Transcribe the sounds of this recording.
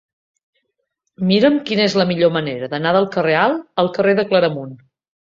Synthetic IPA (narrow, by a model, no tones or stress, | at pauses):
miɾəmkinəezləmiʎoməneɾəðənaðəlˠkərealˠəlˠkəreðəkləɾəmun